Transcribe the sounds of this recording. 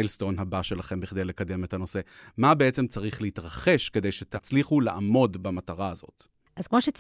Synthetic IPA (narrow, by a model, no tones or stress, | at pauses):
jlst̪o̞nɦabaʃe̞laχe̞mbiχd̪ejle̞kad̪e̞me̞tano̞se̞mabeʔet͡se̞mt͡saʁiχleitʁaχe̞ʃke̞d̪e̞jʃet̪ʰat͡sliχulaʔamo̞dbamataʁaːzo̞̰t | ʔazkmo̞ʃet͡s